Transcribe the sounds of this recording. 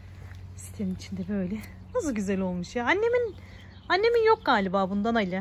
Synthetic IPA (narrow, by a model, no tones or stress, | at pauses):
ist̪ʰenimit͡ʃʰind̪ɛbø̞jlʲɛ | nazɯɟyzælʲo̞lˠmuʃjaanːe̞min | anːe̞minjo̞k̚ɡaːlʲibaːbund̪anailʲa